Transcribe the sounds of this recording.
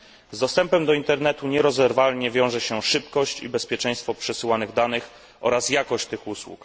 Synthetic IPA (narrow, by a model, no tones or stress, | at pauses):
zd̪ɔst̪ɛmpɛmd̪ɔint̪ɛɾnɛt̪uɲɛɾɔzɛɾvalɲɛvʲjɔ̃w̃ʐɛɕɛʂɘpkɔɕt͡ɕḭbɛspʲjɛt͡ʂɛ̃j̃st̪fɔpʂɛsɘwanɘɣd̪anɘx | ʔɔɾasjakɔɕt͡ɕt̪ɘxuswṵk